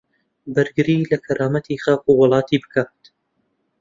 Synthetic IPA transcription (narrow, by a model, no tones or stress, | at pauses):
bɨɾɡɨɾiːlɐkʰɐɾaːmɐt̪ʰiːχaːquwɨlˠɑːt̪ʰiːbɨkʰaːt̪